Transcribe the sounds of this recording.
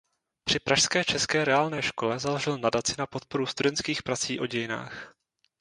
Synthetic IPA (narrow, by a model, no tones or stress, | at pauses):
pr̥ɪpɾaʃskɛːt͡ʃɛskɛːɾɛaːlnɛːʃko̞lɛzaloʒɪlnadat͡sɪnapo̞t̪̚po̞ɾust̪udɛnt̪kiːxpɾat͡siːʔo̞ɟɛjɪna̰ːx